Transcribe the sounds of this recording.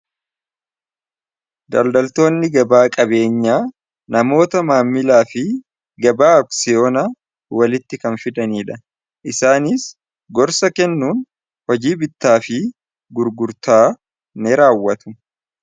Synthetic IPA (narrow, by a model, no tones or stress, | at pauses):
d̪ɐ̰ld̪ɐlt̪o̞ːnːɪɡɐbaːkʼɐbe̞ːɲːaː | nɐmo̞ːt̪ɐmaːmːɪlaːfɪ | ɡɐbaːɔksɪjo̞ːna | wɐlɪt̪ːɪkɐnfɪd̪ɐniːᶑɐ | ʔɪsaːnɪs | ɡɔɾsɐkɛnːuːn | hɔd͡ʒiːbɪt̪ːaːfɪ | ɡʊɾɡʊɾt̪aː | neɾaːwːɐt̪ʊ̥